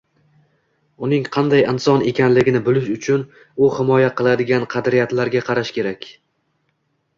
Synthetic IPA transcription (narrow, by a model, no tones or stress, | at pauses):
ʊnɪŋqʰɑnd̪ajɪnsɒne̞kʲanlɪɡʲɪnɪbɪlɪʃʊt͡ʃʰʊn | ʊhɪmɒjaqɨlˠad̪ɪɡʲanqʰɑd̪ɾɪjat̪laɾɡʲaqʰɑɾaʃkʲe̞ɾakʲ